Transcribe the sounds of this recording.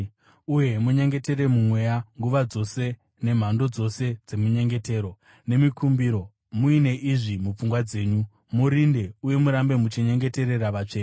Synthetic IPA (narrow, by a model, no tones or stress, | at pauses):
uje̞muɲe̞ŋɡe̞te̞ɾe̞mumwe̞jaŋɡuʋad͡zo̞se̞ | ne̞m̤ando̞d͡zo̞se̞d͡ze̞muɲe̞ŋɡe̞te̞ːɾo | ne̞mikʰumbiːɾo̞ | muine̞ʔiʐimup͡fuŋɡwad͡ze̞ːɲu | muɾinde̞uje̞muɾambe̞mut͡ʃeɲe̞ŋɡe̞te̞ɾe̞raʋat͡ʂeːke